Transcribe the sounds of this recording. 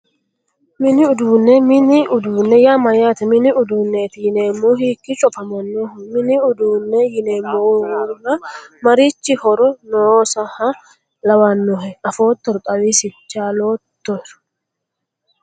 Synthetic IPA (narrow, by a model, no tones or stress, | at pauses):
mɪnɪʊd̪uːnːɛmɪnɪʔʊd̪uːnːɛjaːmɐjaːt̪ɛmɪnɪʊd̪uːnːeːt̪ɪjɪneːmːoːɦikːɪt͡ʃʼɔpɐmɐnːohmɪnɪʊd̪uːnːɛjɪneːmːoːwɔnːɐmɐɾit͡ʃːɪhɔɾɔnoːsɐhɐ | lɐwanːɔɦɛɐfoːt̪ːɔɾk̪ʼɐwisɪt͡ʃːaːloːt̪ːɔɪɾ